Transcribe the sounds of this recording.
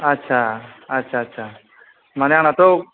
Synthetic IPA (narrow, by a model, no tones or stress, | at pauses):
ɐtːɕʰaɐtːʃʰatːɕʰa | maneaːɽ̃at̪o